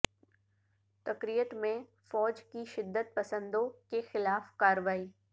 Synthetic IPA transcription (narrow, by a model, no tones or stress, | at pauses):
t̪ɐkɾijət̪mẽ | fɔːd͡ʒkiʃɪd̪ːət̪̚pɐsə̃nd̪õkexɪlaːfkaːɾəʋaːiː